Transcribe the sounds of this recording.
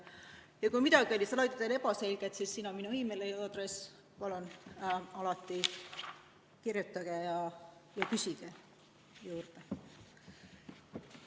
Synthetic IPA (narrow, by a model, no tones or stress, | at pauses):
jɑkujmit̪ɑɡio̞lʲist̪lɑjt̪ɑt̪ːele̞pɑse̞lʲɡ̥et̪sisːinɑminuimelejɑd̪res | pɑlonɑlɑt̪ˑːi | kirjut̪ːˑɑɡ̥ejɑjɑkysiɡ̥e | juːrd̪̥e